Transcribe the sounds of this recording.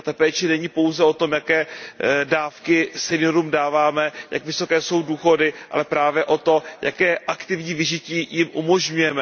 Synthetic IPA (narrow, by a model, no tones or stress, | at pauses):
t̪apɛːt͡ʃɪnɛɲɪpo̞wzɛo̞t̪o̞mjakɛːdaːfkɪsɛnɪoɾuːmdaːvaːmɛja̰kvɪso̞kɛːso̞wduːxo̞dɪʔa̰lɛpɾaːvjɛʔo̞t̪ojakɛːʔakt̪ɪvɲiːvɪʒɪciːjɪmʔumo̞ʒɲujɛmɛ